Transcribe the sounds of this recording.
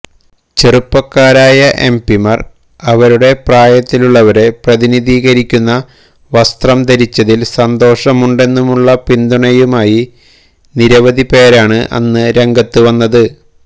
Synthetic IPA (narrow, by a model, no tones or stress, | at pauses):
t͡ɕerupːɐkːaːɾaːjɐʔe̞̰mpimɐr | ɐʋɐɾuɽe̞praːjɐt̪ːiluɭːɐʋɐɾe̞prɐðiniðiːɣɐɾikʲːunːɐ | ʋɐst̪rɐmt̪ɐɾit͡ɕːɐðilsɐnd̪o̞ːʂɐmuɳɖe̞nːumuɭːɐpind̪uɳɐjumaːji | niɾɐʋɐðipe̞ːɾaːɳɨʔɐ̰nːɨɾe̞ŋɡɐt̪ːuʋɐnːɐðɨ